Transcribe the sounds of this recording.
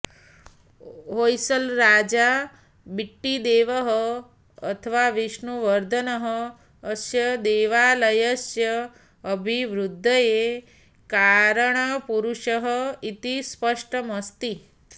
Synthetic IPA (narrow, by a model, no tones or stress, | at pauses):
ɦojsəlɾad͡ʒa | biʈːid̪eʋəɦəː | t̪ʰəʋaʋiʃɳuʋəɾd̪ʱənəɦəː | sjəd̪eʋaləjəsjəː | bʱiʋɾud̪ʱːəje | kaɾəɳ̃əpuɾuʃəɦəit̪ispəʂʈəməst̪i